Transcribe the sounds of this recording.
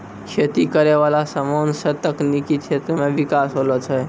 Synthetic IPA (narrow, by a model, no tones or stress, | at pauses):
ʃət̪ikəɾeʋalasəmoːnsət̪əknikikʰet̪ɾəmẽʋikasɦolɔt͡ʃʰə